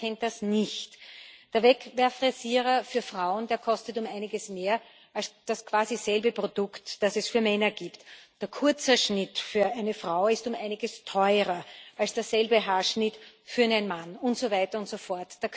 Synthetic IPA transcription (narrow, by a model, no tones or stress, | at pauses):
ɛnt̚d̥asnɪçtd̥eːɐvɛkvɛɐfʁeziːʁɐfyːɐfʁaʊəndeːɐkʰɔstətʊmaɪnɪɡəsmeːɐ | ʔalsd̥askʰv̥aːziz̥ɛlbəpʁod̥ʊktd̥asɛsfyːɐmɛnɐɡ̥iːptd̥eːɐkʰʊɐt͡səʃnɪtfyːɐæɪnəfʁ̥aʊɪstʊmʔæɪnɪɡəstʰɔʏʁɐʔalsd̥eːɐzɛlbəɦaːɐʃnɪtfyːɐnɛnmanʊntz̥ovæɪtɐʊntsofɔɐtd̥eːɐk